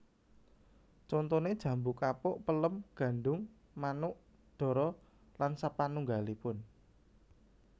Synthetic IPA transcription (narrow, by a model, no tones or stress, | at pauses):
t͡ʃɔnt̪ɔned̥ʒ̥ä̤mbʊkapʊʔpələmɡ̥ä̤ɳɖʊŋ | manʊʔ | ɖ̥ɔ̤ɾɔ | lansapanuŋɡalipʊn